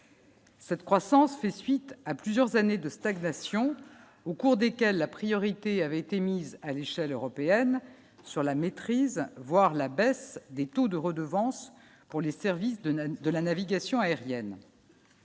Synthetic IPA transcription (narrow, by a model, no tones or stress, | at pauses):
sɛt̪kχwasɑ̃sfɛsɥit̪aplyzjœʁzaned̪əst̪aɡnasjɔ̃ | okuʁd̪ekʲɛlːapχijɔʁit̪eavɛet̪emizaleʃɛløʁɔpeɛn | syʁlamet̪χizvwaʁlabɛsd̪et̪od̪əʁəd̪əvɑ̃s | puʁlesɛʁvisd̪əlanaviɡasjɔ̃aeʁjɛn